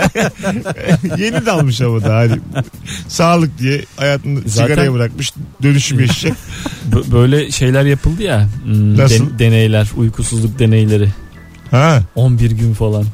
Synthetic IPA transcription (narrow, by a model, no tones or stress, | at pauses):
je̞nid̪ɛalˠmɯʃ̬aβad̪aɦad̪i | saːlˠɯk̚d̪ijɛhajaːt̪ʰɯnɯziɡaɾajabɯɾak̚mɯʃd̪ø̞nyʃybeʃid͡ʒɛcbbø̞jlʲɛʃe̞jlʲæɾjapʰɯlˠd̪ɯjanasɯd̪e̞nejlʲæɾujkʰusuzlˠuk̚d̪e̞ne̞jlʲe̞ɾɪ | hɛonbiɾɟynfalˠan